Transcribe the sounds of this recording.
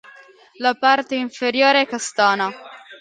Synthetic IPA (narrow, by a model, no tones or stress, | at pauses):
lapart̪eiɱfeɾjoːɾeɛkːast̪aːna